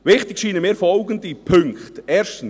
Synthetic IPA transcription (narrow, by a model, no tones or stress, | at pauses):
ʋɪχtɪkʃiːnəmɪːɾfɔlɡəndipʰɵŋkχtɛːɾʃtən̩